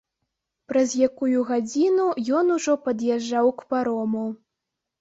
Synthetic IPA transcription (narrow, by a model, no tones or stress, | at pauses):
pɾɐzʲjakujuɣad͡zʲinujɔnuʐɔpɐd̪jaʐːawkpaɾɔmu